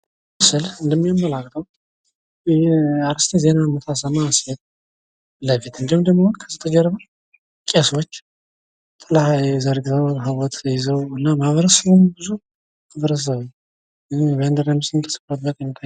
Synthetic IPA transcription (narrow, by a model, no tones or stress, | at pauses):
məsɨlɨnd̪əmːijamːəlakʼːt̪ʰʼəw | aɾɨst̪ʰeze̞namət̪ʰasəmaset̪̚ | ləfit̪ɨnd̪ihumd̪əɡmohonkʰəzɨt̪ʰəd͡ʒɛɾβə | kʼesot͡ʃː | t̪ʼːɨlhajzəɾɡɨt̪ʰəwɦɨβɔt̪ʰjɪzəwɨnːamaβəɾəsəβombɨzu | maβəɾəs̬əβɨɲː | ɨvend̪əɾansɨnt̪ʰə̥sɨ̥fɾət̪̚bət̪ʼəɲːt̪ʰa